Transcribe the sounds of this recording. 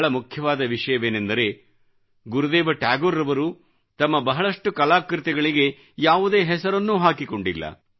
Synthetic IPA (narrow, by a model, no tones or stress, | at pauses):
ɭɐmukʰjɐʋaːd̪ɐʋiʂɐjɐʋe̞ːnend̪ɐɾe̞ː | ɡuɾud̪eːʋɐʈaːɡoɾːɐʋɐɾu | t̪ɐmːɐbɐɦɐɭɐʂʈukɐlaːkɾit̪ɛɡɐɭiɡe̞ | jaːʋud̪e̞ːɦɛsɐɾɐnːuːɦaːkiko̞ɳɖilːɐ̰